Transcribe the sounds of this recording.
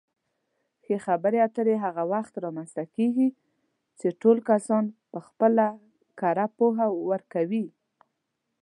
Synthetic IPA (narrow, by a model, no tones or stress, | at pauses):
xexabəɾeat̪əɾeɦaɣawaxt̪ɾɑmanst̪akeɡi | t͡ʃeʈolkasɑnpəxpəla | kaɾapoɦawəɾkawi